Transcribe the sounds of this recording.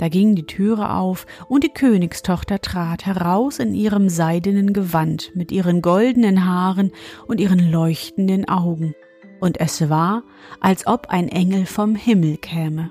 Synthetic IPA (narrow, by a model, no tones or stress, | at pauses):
d̥aːɡɪŋdiːtʰyːʁ̞ə̰ʔa̰ʊfʔʊnt̚d̥iːkʰøːnɪkstʰɔχtɐtʁ̥aːthɛʁaʊsɪnʔiːʁəmzaɪdənənɡəvantmɪtʔiːʁənɡɔldən̩ənɦaːʁənʔʊntʔiːʁənlɔʏçtn̩dənʔaʊɡŋ̩ | ʔʊntɛsv̥aːɐ | ʔalsʔɔpa̰ɪnʔɛŋl̩fɔmhɪml̩kʰɛːmə